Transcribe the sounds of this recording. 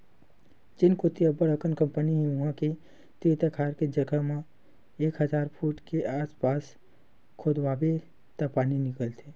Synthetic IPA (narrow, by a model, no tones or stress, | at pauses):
d͡ʒɪnkʊt̪iəbəɾəkənkə̃mpəniɦʊɦãke | t̪it̪akʰaːɾked͡ʒəɡamẽ | eːkɦəzaːɾpʰuːʈkeʔaːspaːs | kʰod̪ʋaːbe | t̪apaːninɪkəlt̪ʰe